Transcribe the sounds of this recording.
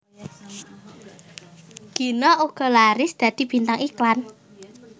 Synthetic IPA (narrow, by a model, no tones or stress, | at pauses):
ɡ̥i̤nɔuɡ̥ɔ̤laɾɪsd̪̥ä̤d̪̥i̤b̥i̤nt̪aŋiklan